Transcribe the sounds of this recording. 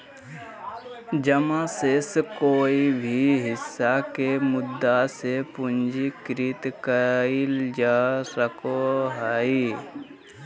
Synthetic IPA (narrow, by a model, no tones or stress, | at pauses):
d͡ʒəmãseskoːibʱiɦɪsːakemʊd̪ːasepʊnd͡ʒikɾɪt̪kəild͡ʒaːsəkoɦaːi